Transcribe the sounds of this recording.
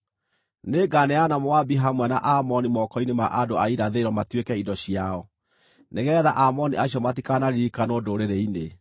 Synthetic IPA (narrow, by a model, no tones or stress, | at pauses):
neɡaneanamoabiɦamwɛnaʔamɔnimɔkɔinemaʔadoaiɾaðeɾɔmatwekɛidɔɕiaɔ | neɣɛðaʔamɔniʔaɕjɔmatikanaɾiɾikanoːdoɾeɾeine